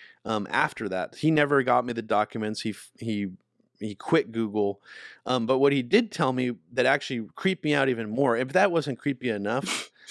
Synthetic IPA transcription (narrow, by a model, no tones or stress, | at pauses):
ʔʌ̃mʔæ̰ftə˞ðæ̰t̚hinɛvə˞ɡɑt̚miðɨdɑkjɨmɨ̃ntshihi | ikʰw̥ɪt̚ɡ̥uɡl̩ˠʔʌ̃mbʌt̚wʌt̚hidɪd̚tʰɛlˠmiðɨɾæk̚t͡ʃʉl̩ˠikʰɹ̥ip̚miaʊɾivɨ̃nmɔɹɪfðɨt̚wʌzɨ̃nkʰɹ̥ipiɨnʌf